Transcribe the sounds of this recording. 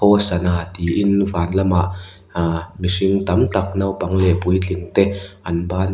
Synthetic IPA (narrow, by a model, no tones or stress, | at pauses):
ɔsɐnaːt̪iʔɪnvaːnlɐmaʔ | miʂɪŋt̪ɐmt̪ɐk̚nɐwpɐŋlɛpujt͡ɬiŋt̪ɛʔɐnbaːn